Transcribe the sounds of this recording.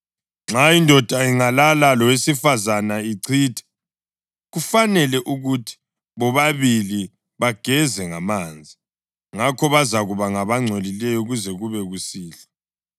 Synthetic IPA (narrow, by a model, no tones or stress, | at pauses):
ŋ͡ǁʱajindʱɔd̥ʱaiŋalalalɔwesifazanaiǀʰiːtʰɛ̥ | ɣufanɛlɛʔuɣutʰi̥ | βɔβaβili | βaɡ̥ʱɛzɛŋamaːnd͡zʱi | ŋakʰɔβazaɣuβaŋaβaŋ͡ǀʱolilɛjɔuɣuzɛɣuβɛɣusiːɬa